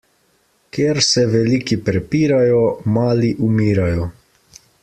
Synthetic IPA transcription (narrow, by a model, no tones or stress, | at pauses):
keɾsɛʋɛlikipɾɛpiːɾajɔmaːliʔumiːɾajɔ